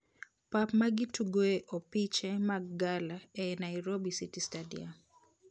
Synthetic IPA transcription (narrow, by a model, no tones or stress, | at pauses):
papmaɡituɡwɛʔɔpit͡ʃɛmaɡalaɛnaiɾobisitistadḭa